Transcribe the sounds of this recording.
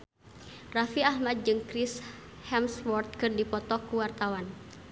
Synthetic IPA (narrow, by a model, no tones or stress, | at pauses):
rafiahmad̪̚d͡ʒɨŋkɾɪs | hɛmswɔrt̪̚kɨrdipɔt̪ɔkuwart̪awan